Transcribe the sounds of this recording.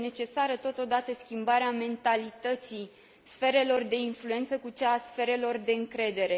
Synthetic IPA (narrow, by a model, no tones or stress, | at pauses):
ne̞t͡ʃe̞saɾət̪o̞t̪o̞d̪at̪əskʲimbaɾeame̞nt̪alit̪ət̪si | sfe̞ɾe̞lo̞rd̪e̞influe̞nt̪səkut͡ʃaːsfe̞ɾe̞lo̞rd̪e̞ɨŋkɾe̞d̪e̞ɾe̞